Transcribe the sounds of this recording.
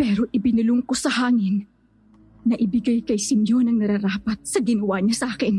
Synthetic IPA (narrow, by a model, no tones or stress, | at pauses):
pɛːɾo̞ʔɪbɪnʊlʊŋkosɐhaːŋɪnː | ɐʔɪbɪɡajkɐjsɪmjonɐŋnɐɾaɾaːpɐt̪̚sɐɡɪnɐwaɲɐsʔaːkɪn